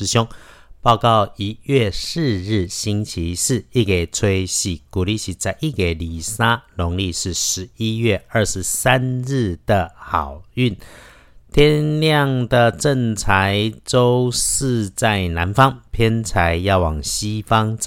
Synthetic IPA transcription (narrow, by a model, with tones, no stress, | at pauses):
ɻ̩˧ɕjʊ˥ŋpɑ˥˧ʊkɑ˥˨˩ʊi˧˥ɥɛ˥˧ʂɻ̩˥˧ɻɻ̩˥˩ɕi˥nt͡ɕʰi˨˦ʂɻ̩˥˧i˥˩ke˨˩ɪt͡sʰwe˥ɪɕi˨˩ku˨˩li˥˩ɕi˧˥t͡sa˧˥ɪʔi˥˩ke˨˩ɪli˨˩sa˥lʊ˧˥ŋli˥˧ʂɻ̩˥˩ʂɻ̩˧˥i˦ɥɛ˥˧ə˞˥˩ʂɻ̩˧˦sa˦nɻ̩˥˩d̪̥ə˩xɑ˨˩ʊy˥˩n | t̪ʰjɛ˥nljɑ˥˩ŋd̪ə˨ʈ͡ʂə˥˧ŋt͡sʰa˧˦ɪt͡so˥ʊʂɻ̩˥˧t͡sa˥˩ɪna˧˥nfɑ˥ŋpʰjɛ˥nt͡sʰa˧˦˥ɪjɑ˥˩ʊwɑ˨˩ŋɕi˥fɑ˦ŋt͡s